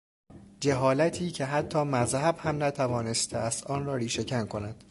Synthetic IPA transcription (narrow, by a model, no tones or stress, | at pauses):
d͡ʒeɦɒːlæt̪ʰiːcʰe̞ɦæt̪ʰːɒːmæzhæbhæmnæt̪ʰævɒːne̞st̪ʰeæst̪ɒːnɾɒːɾiːʃe̞cʰænkʰo̞næd̪̥